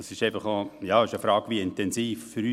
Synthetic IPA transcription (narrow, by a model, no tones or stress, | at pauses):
sɪʃɛɪfɑχojɑːɪʃəfɾɑːɡʋiɪntɛnziːffyɾyː